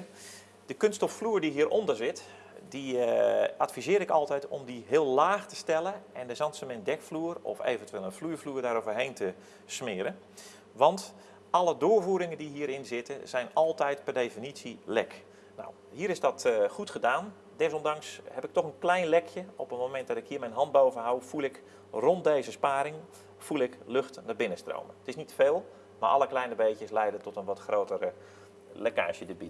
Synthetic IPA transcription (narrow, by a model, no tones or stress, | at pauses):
d̥əkønstɔffluːɹdiɦiəɾʔɔndərzɪt | di | ʔatfizɪːɾɪkɑlˠtɛjtɔ̰mdiɦɪːəlˠlaːxtə̥stɛlˠəʔɛndəzɑnsəmɪndɛkfluərɔ̰fḛːvəntʋɪːlˠənfluːfluːrdaːɾoːvərɦejntə | smɪəɾə | ʋɑnt | ʔɑlˠədoːvuːɾɪŋəndiɦiəɾɪnzɪtəz̥ɛjnɑlˠtɛjtpɛrdejfinisilɛk | na̰w | ɦiːɾɪsdɔtχutχədaːn | dɪs̬ɔndɑŋshɛpɪk̚tɔχənklɛjnlɛkʰjəɔpətmomɛnt̚dɔtɪkhiːmɛjnɦɑnd̚bowvənɦawfulˠɪk | rɔnt̚dejzəspaːɾɪŋ | fulˠɪkløxtnarbɪnəstro̰wməətɪsnitfeːlˠ | ma̰ːɹʔɑ̰ləklɛjnəbejkjəslɛjdətɔtənʋɔtxrowtər | leka̰ːʃjədəbit